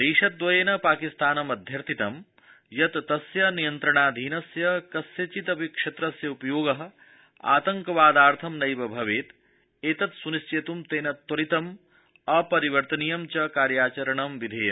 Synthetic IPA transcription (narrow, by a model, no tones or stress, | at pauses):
d̪eːʂɐt̪̚ːʋɐjeːnɐpaːkist̪aːnɐmɐd̪ʱjɐɾt̪ʰit̪ɐm | jɐt̪t̪ːɐsjɐnijɐnt̪ɾɐɳaːd̪ʱiːnɐsjɐkɐsjɐt͡ʃit̪ɐpikʂɐt̪ɾɐsjɐupɐjoːɡɐɦɐ̆ | a̰ːt̪ɐŋkɐʋaːd̪aːɾt̪ʰɐmnɐjʋɐbʱɐʋeːt̪ | eːt̪ɐt̪sunist͡ʃeːt̪umt̪eːnɐt̪wɐɾit̪ɐm | ɐpɐɾiʋɐɾt̪ɐnijɐmt͡ʃɐkaːɾjaːt͡ʃɐɾɐɳɐmʋid̪ʱeːjɐm